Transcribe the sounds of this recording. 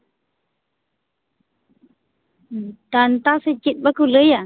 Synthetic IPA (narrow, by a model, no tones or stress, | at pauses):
t̪ant̪aset͡ʃit̪̚bakuləja